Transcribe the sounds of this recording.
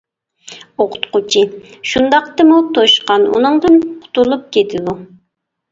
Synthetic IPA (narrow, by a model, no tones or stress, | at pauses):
oqʰʊ̥t̪qʊt͡ʃʰiʃund̪ɑq̚t̪ɨmut̪ʰoʃqɑnṵnɨŋd̪ɨnqʰʊ̥t̪ulˠup̚kʲʰet̪ʰɪd̪u